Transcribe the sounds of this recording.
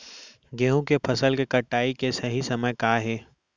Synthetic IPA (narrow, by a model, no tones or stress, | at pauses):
ɡeːɦũkepʰɐsəlkekɐʈːaːikesɐɦisɐməjkaːɦɛː